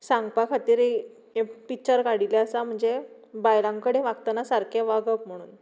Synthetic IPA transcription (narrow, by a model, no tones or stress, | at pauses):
sãŋɡpakʰat̪iːɾe | pik̚t͡ɕəɾkaɽilaəsam̤əɳd͡ze | bajlãŋkəɽẽʋaɡt̪anasaɾkʰeʋaɡək̚m̤əɽ̃uːn